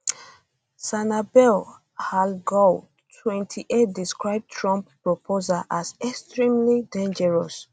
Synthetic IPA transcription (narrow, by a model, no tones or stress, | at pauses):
sanabɛl | halɡɔ | tʰwɛ̃ntʰiʔet̚diskɹaɪb̚tʰɹɔ̃mppːɹɔpʰozaʔazɛkstɹĩmlidẽnd͡ʒɛɹɔs